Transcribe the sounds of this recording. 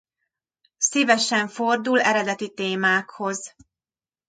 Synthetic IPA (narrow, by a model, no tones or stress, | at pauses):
sivɛʃɛɱfo̞rd̪ulɛɾɛd̪ɛt̪it̪eːmaːkho̞z